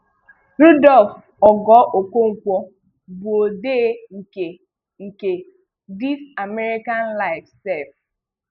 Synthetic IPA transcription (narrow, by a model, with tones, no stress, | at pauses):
ɾu˦dɔ˦˨lf | ɔ˨ɡɔ˨˦ʔo˨kʷo˦ŋ̩˨kʷɔ˦ | bu˨o˨de˦ŋ̩˨ke˨ | ŋ̩˨ke˨ | di˦ta˨me˦ɾi˦ka˦nla˦˨ɪ˨fsɛ˦˨f